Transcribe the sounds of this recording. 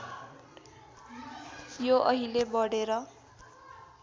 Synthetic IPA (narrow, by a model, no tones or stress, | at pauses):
joʔʌɦilebʌɽeɾʌ